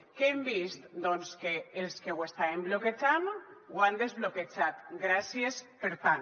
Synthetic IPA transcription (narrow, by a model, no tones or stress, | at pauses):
keembist̪d̪ɔnskeːlskewest̪aembloket͡ʃanwand̪ezβloket͡ʃat̪ɡɾasiespeɾt̪an